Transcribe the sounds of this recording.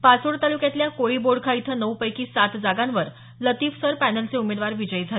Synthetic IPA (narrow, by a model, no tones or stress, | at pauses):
pasoɽt̪alukjat̪ljakoɭiːboɖkʰait̪ʰənəwpəjkiːsat̪d͡zaɡãnʋəɾ | lət̪iːfsəɾpænəlt͡seumed̪ʋaɾʋid͡ʑəjd͡zʱal